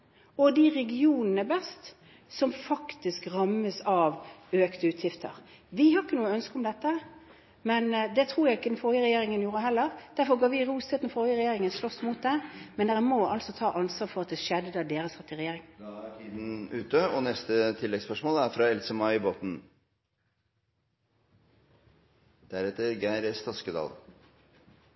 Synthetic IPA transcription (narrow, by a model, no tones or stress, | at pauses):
ɔd̪ɪɾɛɡɪuːnənəbɛst̪ | sɔmfɑkt̪ɪskɾɑmːəsɑʋøːkt̪əʉːt̪ʰjɪft̪ʰə̰ɾ | ʋɪhɑɾɪkːənuːəœnskəʊmd̪ɛt̪ːə | mɛnd̪ɛt̪ʰɾuːɾjæɡɪkəd̪n̩fɔɾjəɾɛjeːɾɪŋənjuːɾəɦɛlːəɾd̪̥æɾfɔɾɡɑɾʋɪɾuːst̪et̪n̩fɔɾjəɾɛjeːɾɪŋənslɔsːmuːt̪̚d̪ɛmɛnd̪ɛɾəmoːɑlsɔt̪ʰɑːʔɑnsʋɑːɾfɔʁɑt̪̚d̪ɛʃɛd̪əɑd̪eːɾəsʁɛt̪ːɪɾɛjeːɾɪŋʰiːd̪n̩ʉːt̪əɔnɛst̪ət̪ʰɪlːɛɡspœʂmoːlæɾfɾɑɛlsəmɑɪboːt̪n̩ | d̪̥æɾɛt̪ːəɾɡæɪɾəst̪ʰɑskəd̪ɑ̰ːl